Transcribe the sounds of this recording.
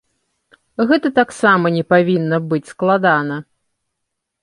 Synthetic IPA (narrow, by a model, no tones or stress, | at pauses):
ɣɛt̪ɐt̪aksamɐnʲɛpavʲinːɐbɨt͡sʲsklˠad̪anɐ